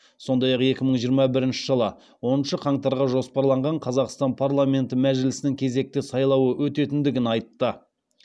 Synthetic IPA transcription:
so̞nd̪ɑjɑqe̞kʲɪməɴʒijəɾmɑbɪɾɪnʃɪ̥ʒəlˠə | wo̞nənʃəqʰɑɴt̪ɑɾʁɑʒo̞spɑɾlˠɑɴʁɑɴqʰɑzɑqst̪ɑnpʰarlˠamʲe̞nt̪ɪmæʒɪlɪsɪnɪŋkʲʰe̞ze̞k̚t̪ɪsɑjlˠɑwəwɵt̪e̞t̪ɪnd̪ɪɡʲɪnɑjt̪ːə

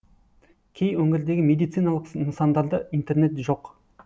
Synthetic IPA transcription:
kʲʰe̞jwɵŋɡʲɪɾd̪e̞ɡʲɪme̞d̪ijt̪sijnɑlˠəqənsɑnd̪ɑɾd̪əijnt̪e̞ɾne̞t̪ʒo̞q

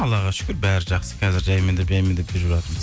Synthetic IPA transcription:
ɑlˠɑʁɑʃʏ̥kʲɪɾbæɾɪʒɑqsə̥qʰɑzɪɾʒɑjmed̪epʒɑjmend̪epʒɪɾbɪlɑt̪əɾməz

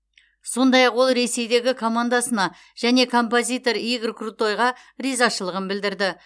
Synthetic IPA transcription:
so̞nd̪ɑjɑqwo̞lˠɾe̞se̞jd̪e̞ɡʲɪkʰo̞mand̪asənɑ | ʒ̥æne̞kʰo̞mpo̞zʲijt̪o̞ɾiɡrkrut̪o̞jʁɑ | rizɑʃəlˠəʁənbɪld̪ɪɾd̪ɪ

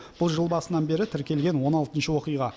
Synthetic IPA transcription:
b̥ʊlˠʒəlˠbɑsənɑnbe̞ɾɪt̪ʰɪɾkʲe̞lɡʲe̞nwo̞nɑlˠt̪ənʃəwo̞qijʁɑ

